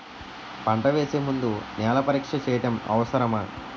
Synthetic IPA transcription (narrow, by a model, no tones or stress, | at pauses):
pɐɳʈɐʋeːseːmund̪unɛːlɐpɐɾiːkʂɐt͡ʃɛːjɐʈɐmɐ̰ʋɐsɐɾɐmaː